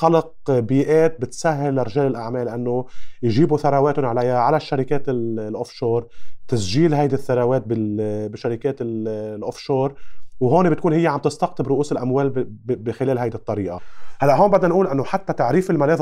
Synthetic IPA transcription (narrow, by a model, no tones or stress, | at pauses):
xɑlɑq̚ | biːʔeːt̪̚bɪt̪saɦːɪlːɪɾɪʒeːlɪlʔaʕmeːlːʔanːojʒiːbuθaɾˤɑweːt̪ʊnʕalajːaʕalaʃːaɾɪkeːt̪ɪllʔofʃoːɾˤt̪asʒiːlɦajd̪iθːaɾˤɑweːt̪̚bɪbɪʃaɾɪkeːt̪ɪllʔofʃoːɾˤwɦoːnebɪt̪̚kuːnhɪjːeʕambt̪ɪst̪ɑqt̪ɪbɾʊʔuːsɪlʔamweːlbbɪxɪleːlɦajd̪it̪ˤːɑɾiːʔahalːaʔɦoːnbad̪nanʔuːlʔɪnːoħat̪ːat̪aʕɾiːfɪlmaneːð